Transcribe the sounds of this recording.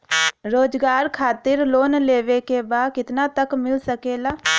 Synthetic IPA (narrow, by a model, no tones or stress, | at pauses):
ɾoːd͡ʒɡaːɾkʰaːt̪ɪɾloːnleːʋekebaːd̪kɪt̪naːt̪əkmɪlsəkeːlaː